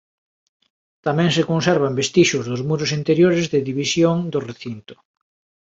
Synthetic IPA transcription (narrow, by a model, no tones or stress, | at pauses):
t̪amɛ̃ŋsekonsɛɾβambest̪iʃʊzðʊzmuɾʊsint̪eɾjoɾezðɪðiβisjoŋd̪ʊreθint̪ʊ̥